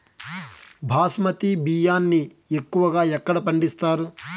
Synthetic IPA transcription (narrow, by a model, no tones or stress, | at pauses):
bʱaːsmɐt̪ibijaːnːi | ekːuʋɐɡaːɛkːɐɽɐpɐɳɖist̪aːɾu